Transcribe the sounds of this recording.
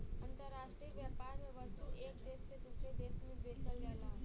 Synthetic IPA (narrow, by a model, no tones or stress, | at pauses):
ənt̪əɾːaʃʈɾiəʋjapaɾmẽʋəst̪uʔeːkd̪eːsːed̪usɾed̪eːsmẽʋet͡ʃəlːelaː